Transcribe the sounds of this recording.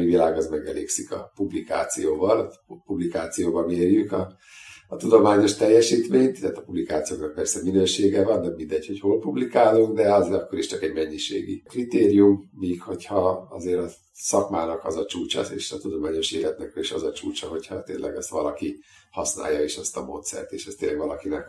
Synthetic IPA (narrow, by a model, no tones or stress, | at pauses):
mivilaːɡɒzmɛɡɛlḛːksikɒpublika̰ːt̪sijoːvɒlpublikaːt̪sijoːbɒmeːrjykɒː | t̪ud̪o̞maːɲo̞ʃt̪ɛjːɛʃiːt̪meːɲt̪aːt̪ɒpublikaːt̪sijoːknɒk̚pɛrsɛminøːʃeːɡɛvɒnːɛmind̪ɛɟho̞choːlpublikaːluŋɡd̪ɛɒzɒkːo̞ɾiʃt͡ʃɒkɛɟmɛɲːiʃḛːɡḭkrit̪eːrijumːiːkho̞chɒɒ̰zeːɾɒ | sɒkmaːnɒkɒzɒt͡ʃuːt͡ʃɒ̰eːʃɒt̪ud̪o̞maːɲo̞ʃeːlɛt̪nɛkiʃɒzɒt͡ʃuːt͡ʃɒɦo̞cʰhɒ̰t̪eːnlʔɛ̰ɡɛst̪ʋɒlɒki | hɒsna̰ːjːɒeːʃɛst̪ɒmo̰ːt̪sɛ̰rt̪eːʃɛst̪eːnlːɛɡʋɒlɒkinɛk